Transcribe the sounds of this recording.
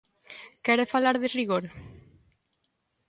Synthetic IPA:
kɛɾefalaɾðeriɣ̞oɾ

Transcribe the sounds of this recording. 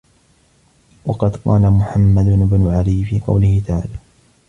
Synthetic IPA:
wɑqɑd̪qɑːlamʊħamːad̪ʊɪbnʊʕalɪjfiːqɑ̰wlɪhɪt̪aʕa̰ːlaː

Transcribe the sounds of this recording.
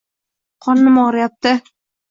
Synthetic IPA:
qʰɒnːɪmɒʁɾajap̚t̪ɪ

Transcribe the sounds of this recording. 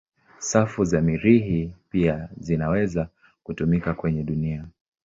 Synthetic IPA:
safuzamiɾiɦipiazinawɛza | kutumikakwɛɲɛɗunia

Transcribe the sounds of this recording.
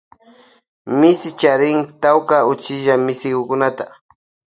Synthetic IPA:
mɪsɪt͡ʃaɾɪŋt̪awkaʊt͡ʃɪʒamɪsɪkʊkʊnat̪a

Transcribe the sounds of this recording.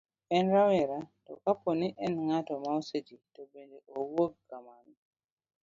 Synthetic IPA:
ɛnɾawɛɾatɔkapːɔniʔɛnŋatɔmawsed͡ʒitɔbɛndɛʔɔwoɡːaman

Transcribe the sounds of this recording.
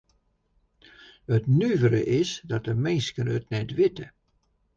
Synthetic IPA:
ətnyvəɾə̰ʔɪsdɔtəmɪnskənətnɛtʋɪtə

